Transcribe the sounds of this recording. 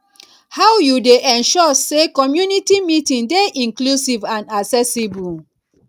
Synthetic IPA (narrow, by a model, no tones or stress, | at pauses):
hawjudeʔɛ̃nʃɔsekɔmjunitimitĩndeʔĩŋklusivãnasɛsibu